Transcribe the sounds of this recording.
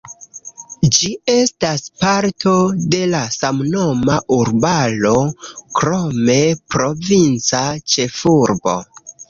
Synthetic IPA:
d͡ʒie̞staspaɾtʰo̞de̞lasamno̞maʔuɾbalo̞kɾome̞pɾo̞vint͡sat͡ʃe̞fuɾbo̞̰

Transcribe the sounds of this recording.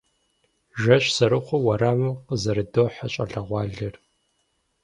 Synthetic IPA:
ʒɐʃsɐɾɨχʷʊwɐɾaːmɨqəzɐɾɨdoħaɕʼɐ̰ɬɐʁʷɑːɮɐr

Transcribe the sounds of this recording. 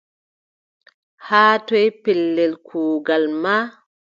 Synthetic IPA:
haːtɔjpɛlːɛlkʰuːɡalma

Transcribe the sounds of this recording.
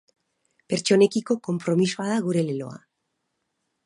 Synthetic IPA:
pe̞ɾt͡ʃo̞ne̞kiko̞ko̞mpɾo̞misoaðaɣ̞uɾe̞lelo̞̰a̰

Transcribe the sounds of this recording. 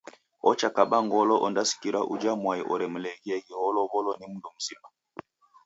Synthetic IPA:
ɔt͡ʃakaɓaŋɡɔlɔʔɔndasi̥kiɾaʔud͡ʒamwaiʔɔɾɛm̩lɛɣiɛɣiɔlɔβɔlɔnimundɔm̩sima

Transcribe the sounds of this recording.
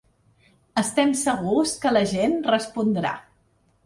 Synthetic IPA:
əst̪ɛmsəɣuskələʒenrəspund̪ɾa̰

